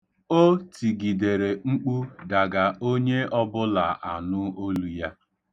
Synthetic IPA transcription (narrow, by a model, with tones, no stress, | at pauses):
o˦ti˨ɡi˨de˨ɾe˨ŋ͡m̩˦k͡pu˦da˨ɡa˨o˦ɲe˦ɔ˦bʊ˦la˨ʔa˨nʊ˦o˦lu˦ja˦